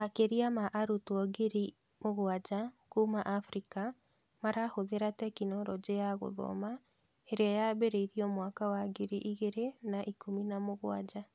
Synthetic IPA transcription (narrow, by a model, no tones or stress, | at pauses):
akeɾiamaʔaɾutwɔɡeɾi | moɣwad͡ʒakumaʔafɾika | maɾahoðeɾatɛkinɔɾɔd͡ʑeaɣo̰ðɔ̰ma | eɾeajabeɾeiɾiɔmwakawaɡeɾiʔiɣeɾenaʔikominamoɣwad͡ʑa